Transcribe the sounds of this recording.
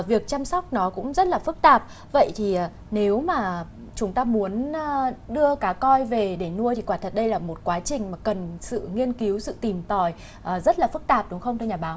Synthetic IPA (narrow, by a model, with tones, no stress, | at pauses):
vi˨˩ək̚t͡ɕa˧mswk͡p̚nɔ˨˦kʊ̰˧˥ŋ͡mzə˦˥t̚laː˨˩fɨ˦˥k̚t̪aː˨˩p̚ | və̰˧˨jt̪ʰi˨˩ʔː | ne˨˦wmaː˨˩ | t͡ɕʊ˨˦ŋ͡mt̪aː˧mu˨˦ənː˧ | ɗɨ˧əkaː˨˦kɔ˧jve˨˩ɗe˧˩nu˧ət̪ʰi˨˩kwaː˧˩t̪ʰə˨˩t̚ɗə˧jlaː˨˩mo˨˩t̚kwaː˨˦t͡ɕï˨˩ŋ̟maː˨˩kə˨˩nsɨ̰˧˨ŋi˧ənki˨˦wsɨ̰˧˨t̪i˨˩mt̪ɔ˨˩j | ʔəː˨˩zə˦˥t̚laː˨˩fɨ˦˥k̚t̪aː˨˩p̚ɗʊ˨˦ŋ͡mxə˧wŋ͡mt̪ʰɛ˧wɲaː˨˩ɓaː˨˦w